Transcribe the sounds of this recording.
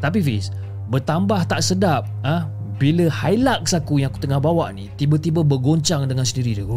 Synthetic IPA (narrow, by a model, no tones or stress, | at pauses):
t̪ap̬ifis | bərt̪ambaht̪aʔsədap̚ə̃h | biləhajlak̚sakujaŋaku̥t̪əŋahbawaʔnit̪ibət̪ibəbərɡoɲt͡ʃaŋdəŋansəndiɾidu